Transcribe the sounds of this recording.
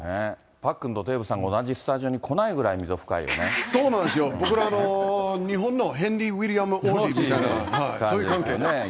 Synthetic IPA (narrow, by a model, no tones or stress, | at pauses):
ne | pakːɯ̟̃nt̪o̞t̪e̞ːbɯ̟sãŋɡaonaʑisɨ̥t̪aʑio̞ɲ̟ikʰo̞naiɡɯ̟ɾaimʲizoɸɯ̟̥ka̰ḭjo̰neso̞ːnãnd̪es̬ɨjobo̞kɯ̟ɾaːnoɲiɦõ̞nːoɦẽnɾʲiwiɾʲiamɯʔod̪imit̪aina̰haikasɲoːijɯikãŋkesne